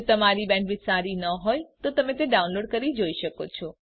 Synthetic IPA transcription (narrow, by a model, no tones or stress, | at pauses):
t̪əmaɾibɛ̃ɳʈbid͡ʒsaɾinəɦojt̪ot̪əmẽt̪eɖaũnloɖkəɾid͡ʒoiʃəkot͡ʃʰɔ